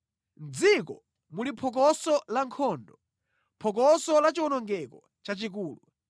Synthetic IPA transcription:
nd͡zikɔ | mulipʰɔk̬ɔsɔlaŋkʰɔːndɔ | pʰɔkɔsɔlat͡ʃiwɔnɔŋɡɛkɔ | t͡ʃat͡ʃik̬uːlu

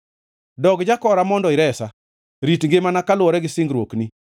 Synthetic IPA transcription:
dɔɡd͡ʒakɔɾamɔndɔɪɾɛsa | ɾitŋɡemanakalwɔɾɛɡɪsɪŋɡɾwokni

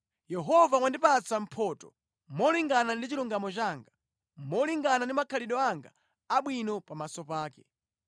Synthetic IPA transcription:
jɛɦɔvawandipat͡sam̩pʰɔːtɔ̥ | mɔliŋɡanandit͡ʃiluŋɡamɔt͡ʃaːŋɡa | mɔliŋɡanandimakʰaliɗɔaŋɡa̰ | aɓwinɔpamasɔpaːkɛ

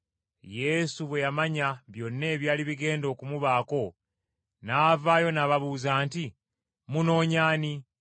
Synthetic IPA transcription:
je̞suβwe̞jamaɲaβjo̞nːe̞ːβjaːliβiɡe̞ːndo̞ːkumuβaːko̞ | naːvaːjo̞naːβaβuːzaːnti | muno̞ːɲaːni

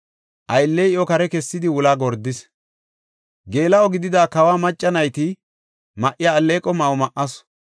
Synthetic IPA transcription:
ʔɐjlːejɪʔɔkɐɾɛkɛsːɪd̪ɪwʊlaːɡɔɾd̪ːɪs | ɡe̞ːlɐɔɡɪd̪ɪd̪aːkɐwaːmɐt͡ʃʼːɐnɐjt̪ɪ | mɐʔɪjaːlːeːkʼɔmɐwɔmɐʔːɐs

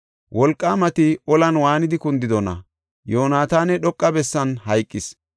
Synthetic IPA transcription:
wʔɔlkʼːaːmɐt̪ɪʔɔlɐnwaːnɪd̪ɪkʊnd̪ɪd̪ɔnɐ̰ | joːnaːt̪aːnɛɗɔkʼːɐbɛsːɐnhɐjkʼːɪs

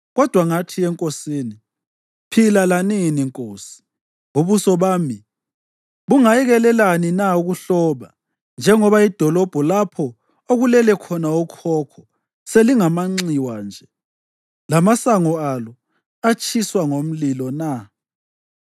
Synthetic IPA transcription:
ɣɔd̥ʱwaŋatʰiɛŋkʼosiːni | pʰilalaniniŋkʼoːsi̥ | uβusɔβaːmi | βuŋajiɣɛlɛlaninauɣuɬɔβa | nd͡ʒʱɛŋɔβaid̥ʱɔlɔb̥ʱɔlapʰɔ | oɣulɛlɛkʰɔnaukʰɔkʰɔ | seliŋamaŋ͡ǀiwaːnd͡ʒʱɛ | lamasaŋɔalɔ | at͡ʃʼiswaŋom̩lilɔna

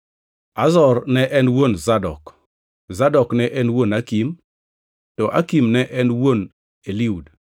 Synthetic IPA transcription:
azɔrnɛʔɛnwonzadɔ̰k | zadɔknɛʔɛnwonakim | tɔʔakimnɛʔɛnwon | eliud

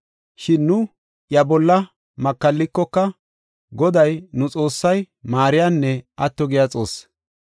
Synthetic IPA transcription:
ʃɪnːʊ | jɐbɔlːɐ | mɐkːɐlːɪkːɔkːɐ | ɡɔd̪ɐjnʊt͡sʼo̞ːsːɐj | maːɾɪjanːɛʔɐt̪ːɔɡɪjat͡sʼo̞̰ːs

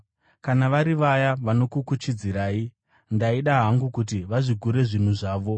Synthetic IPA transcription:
kanaʋaɾiʋajaʋano̞kukut͡ʃid͡ziɾaːi | ndaiɗaɦaŋɡukut̬iʋaʐiɡʱuɾe̞ʐin̤uʐaːʋo̞

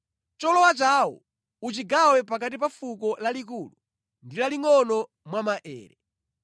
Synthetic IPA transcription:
t͡ʃɔlɔwat͡ʃaːwɔ̰ | ut͡ʃiɡawɛpak̬atipafukɔlalik̬uːlu | ndilaliŋɔnɔ | mwamaʔɛ̰ːɾɛ

